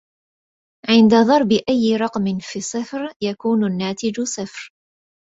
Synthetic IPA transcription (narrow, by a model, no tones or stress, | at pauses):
ʕɪnd̪aðˤɑɾˤbɪʔajːɪɾˤɑqmɪnfiːsˤɨfɾjakuːnʊnːaːt̪ɪd͡ʒsˤɨfɾ